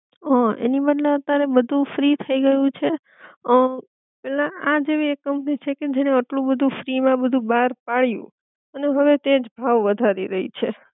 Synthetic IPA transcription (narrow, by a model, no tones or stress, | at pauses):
ɔḛnibəd̪lẽət̪aɾebəd̪ʱũfɾit̪ʰəiɡəjũt͡ʃʰe | ə | pɛlãad͡ʒeʋekːəmpnit͡ʃʰeked͡ʒeneəʈlũbəd̪ʱũfɾimãbəd̪ʱũbaɾpaɭjṵ̃ | əneɦəʋet̪ed͡ʒbʱaʋːəd̪ʱaɾiɾəɦḭt͡ʃʰe